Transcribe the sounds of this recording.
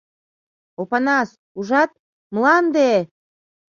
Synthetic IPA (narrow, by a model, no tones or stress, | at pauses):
opɑnɑs | uʒɑt̪̚ | mlɑnd̪e